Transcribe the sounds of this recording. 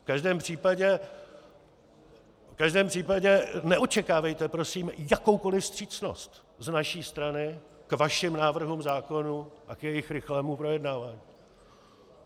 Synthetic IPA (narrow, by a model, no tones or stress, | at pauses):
fkaʒdɛːmpr̥iːpaɟɛ | fkaʒdɛːmpr̝̥iːpaɟɛnɛʔo̞t͡ʃɛkaːvɛjt̪ɛpɾo̞siːmjako̞wko̞lɪfst̪r̝̥iːt͡sno̞̰st̪ | znaʃiːst̪ɾanɪ | kvaʃɪmnaːvr̩ɦumzaːko̞nuʔakjɛjɪxɾɪxlɛːmupɾo̞jɛdnaːvaːɲiː